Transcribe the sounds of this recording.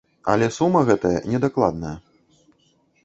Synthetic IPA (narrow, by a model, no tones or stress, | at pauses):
ɐ̰lʲɛsumɐɣɛt̪ɐjɐ̰nʲɛd̪aklˠa̰d̪nɐjɐ